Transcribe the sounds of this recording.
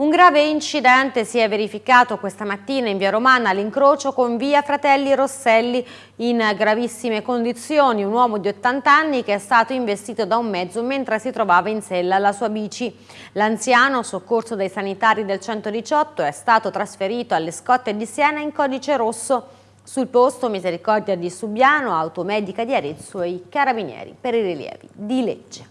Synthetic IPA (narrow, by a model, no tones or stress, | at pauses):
uŋɡɾaːveint͡ʃid̪ɛnt̪esiɛvːeɾifikaːt̪okwest̪amat̪ːiːnaiɱviːaɾomaːnaliŋkɾoːt͡ʃokoɱviːafɾat̪ɛlːiɾosːɛlːi | inɡɾavisːimekond̪it̪sːjoːniunwɔːmod̪iot̪ːant̪anːikeɛst̪aːt̪oiɱvest̪iːt̪od̪aumːɛd̪zːoment̪ɾesit̪ɾovaːvainsɛlːalasuːabiːt͡ʃi | lant̪sjaːnosokːorsod̪ajsanit̪aːɾid̪elt͡ʃɛnt̪od̪it͡ʃɔt̪ːoɛst̪aːt̪ot̪ɾasfeɾiːt̪oalːeskɔt̪ːed̪isjɛːnaiŋkɔːd̪it͡ʃeɾosːo | sulpost̪omizeɾikɔrd̪jad̪isubjaːnoawt̪omɛːd̪ikad̪iaɾit̪soikaɾabinjɛ̰ːɾḭpeɾiriljɛ̰ːvḭd̪ilḛd͡ʒːe